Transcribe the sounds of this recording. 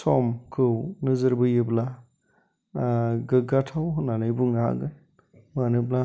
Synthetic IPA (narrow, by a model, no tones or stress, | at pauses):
sɔmkʰɯwnɯzɯɾbɯjɯbla | ɡɯɡatʰawɦɯnanɯjbuŋaɦa̰ɡɯn | manɯbla